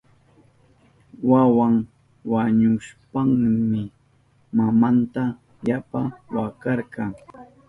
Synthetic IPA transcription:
wawaŋ | waɲʊʃpaŋmɪ | mamant̪a | japawakɑɾkɑŋ

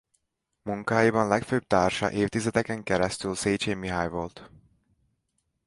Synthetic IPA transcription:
muŋkaːjibɒnlɛkføːb̚t̪aːrʃɒ̰ʔeːft̪izɛd̪ɛkɛŋkɛɾɛst̪ylseːd͡ʒeːmiɦajvo̞lt̪

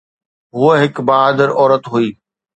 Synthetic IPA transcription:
ɦʊəɦɪkbaːaːd̪əɾɔːɾət̪ɦuiː

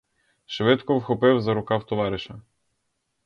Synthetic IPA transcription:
ʃʋɛt̪kɔvxɔpɛwzaɾɔkawt̪ɔʋaɾɪʃɐ

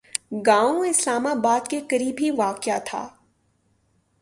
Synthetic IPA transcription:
ɡãːõɪslaːmabaːd̪kekɐɾiːbʱiʋaːkjat̪ʰa̰ː

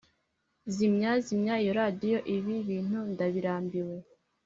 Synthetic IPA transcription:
zimɲazimɲaijoɾadijo̞ʔiβiβiːn̥hundaβiɾaːmbiwe̞

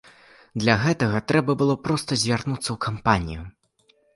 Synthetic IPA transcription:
d̪lʲaɣɛt̪ɐɣɐt̪ɾɛbɐbɨlˠɔpɾɔst̪ɐzʲvʲarnut̪sːɐwkampanʲḭju

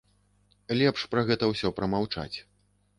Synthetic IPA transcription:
lʲɛpʂpɾɐɣɛt̪ɐwsʲɔpɾɐmawt͡ʂa̰t͡sʲ

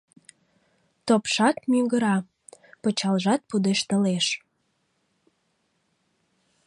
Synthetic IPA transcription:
t̪opʃɑt̪̚myŋɡəɾɑ | pət͡ɕɑlʒɑt̪̚pud̪eʃt̪əleʃ

